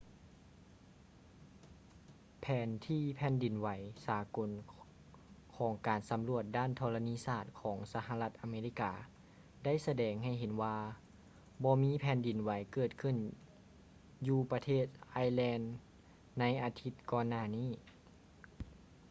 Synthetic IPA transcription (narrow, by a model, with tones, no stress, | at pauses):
pʰɛː˨˦nt̪ʰiː˧˩pʰɛː˧˥ndi˨˩nwa˨˦jsaː˨˦ko˨˦n | kʰɔː˩˦ŋkaː˨˩nsa˨˦mlu˧˩ət̪̚daː˥˩˨nt̪ʰɔː˧la˧niː˧˥˨saː˧˩t̪̚kʰɔː˩˦ŋsa˧ha˧la˧˥t̪̚ʔa˨meː˧li˧˥˩kaː˧ | da˥˨jsa˧dɛː˨ŋɦa˨˩jɦe˨˦nwaː˧ | bɔː˧miː˧˥pʰɛː˨˦ndi˨˩nwa˨˦jkɤː˨˩t̪̚kʰɯ˧˩˨n | juː˧pa˧t̪ʰeː˥˩t̪̚ʔaː˧˥jlɛː˧nː | a˧˥jʔaː˨˧t̪ʰi˧˥t̪̚kɔː˧nːaː˧˩niː˥˩